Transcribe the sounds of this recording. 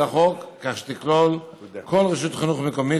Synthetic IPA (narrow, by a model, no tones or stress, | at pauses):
aχokːaχʃe̥t̪iklol | kʰolʁiʃut̪χinuχmekomi